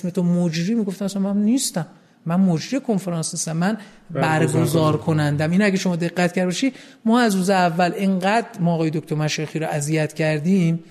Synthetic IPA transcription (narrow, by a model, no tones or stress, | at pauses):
smet̪ʰomod͡ʒɾiːmiːɡoft̪æmæsænmænniːst̪æmː | ænmod͡ʒɾiːkʰonfeɾɑːnsnist̪æmːæn | bæɾɡozɒːɾkʰo̞nænd̪æminæɟeʃoɒːd̪e̞ɣːæt̪cʰæɾbɒʃiːd | mɒːæzɾuːzeævːæleŋɢæd̪ɾmɒːɣɒːjed̪okʰʲt̪ʰoɾmæʃexiːɾɔʔæzijæt̪cʰæɾd̪iːm